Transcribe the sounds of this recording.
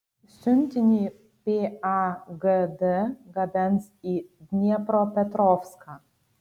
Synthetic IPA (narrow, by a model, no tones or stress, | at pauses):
sʲynʲt̪ʲinʲi | pʲeaɡəd̪əɡɐb̪ɛnsid̪ʲnʲɛpɾɔpʲɛt̪ɾɔfskʰa